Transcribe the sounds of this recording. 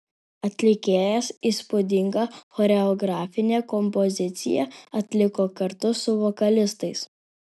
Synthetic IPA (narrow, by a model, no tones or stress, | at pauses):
ɐt̪ʲlʲɪkʲeːjɛsiːspʊd̪ʲɪŋɡɐxɔɾʲɛɔɡɾɑːfʲɪnʲeːkɔmpɔzʲɪt̪sʲɪ̰jɛ̰ɐt̪ʲlʲɪkoːkɐɾt̪ʊsʊʋɔkɐlʲɪst̪ɐɪs